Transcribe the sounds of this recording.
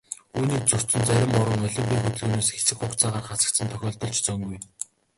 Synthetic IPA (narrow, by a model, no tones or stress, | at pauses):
uːniːk̚t͡sʊr̥t͡sɘ̆nt͡sæɾʲɪ̆mɔɾə̆ŋɔɮʲɞ̆mpʲiːŋxɵt̪ɵ̆ɮɣɵːnoːsxe̥sɘ̆xχʊkt͡saːʁaːχat͡sə̆k̚t͡sə̆nt̪ʰœxʲɔːɮt̪ɞ̆ɮt͡ɕt͡sœŋɡuj